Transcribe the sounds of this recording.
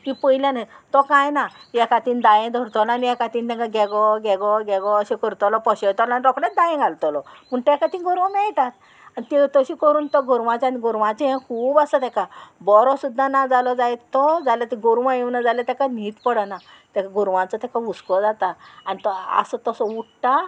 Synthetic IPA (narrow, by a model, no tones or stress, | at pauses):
kipəjljãnat̪ɔkãjnajɛkat̪iːnd̪ajẽd̪ʱəɾt̪ɔlɔanijakat̪iːnt̪ɛ̃kaɡɛɡɔɡɛɡɔɡɛɡɔəɕẽkəɾt̪ɔlɔpəɕet̪ɔlɔaniɾɔkɽɛ̃d̪ajẽɡʱalt̪ɔlɔməɳʈ̪ɛkat̪ĩɡɔɾʋamɛjt̪at̪ | anit̪it̪əɕikəɾuːnt̪ɔɡʱuɾʋãt͡ɕaaniɡʱuɾʋãt͡ɕeɦɛ̃kʰuːbasət̪ɛkabɔɾɔsud̪ʱːanad͡zalɔd͡zajt̪ɔd͡zaljat̪iɡuɾʋãjeʋnad͡zaljat̪ɛkaniːt̪pəɽana | t̪ɛkaɡuɾʋãt͡sɔt̪ɛkaʋuskɔd͡zat̪aanit̪ɔa̰sət̪ɔsɔuʈʈa